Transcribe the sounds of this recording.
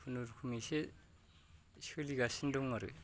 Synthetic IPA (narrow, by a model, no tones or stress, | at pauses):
pʰunuɾkʰumise | iskʰɯliɡasindɔŋmaɾɯ̰